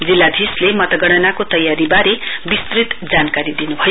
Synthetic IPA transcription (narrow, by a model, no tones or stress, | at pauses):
d͡zilːad̪ʱislemʌt̪ʌɡʌɽ̃ʌnakot̪ʌjːaɾibaɾebist̪rit̪d͡zankaɾid̪inubʱʌjo